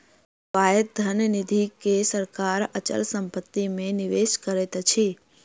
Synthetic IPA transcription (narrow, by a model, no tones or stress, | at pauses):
pajət̪̚d̪ʱənnid̪ʱikesəɾkaɾət͡ʃə̰lsəmpət̪ːimẽnɪʋeʃkəɾet̪t͡ʃʰi